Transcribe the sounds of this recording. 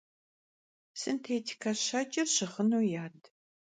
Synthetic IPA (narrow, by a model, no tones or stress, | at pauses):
sɨntʰejtʰi̥kʰɐɕɐt͡ʃʼɪrɕɨχənuːjaːd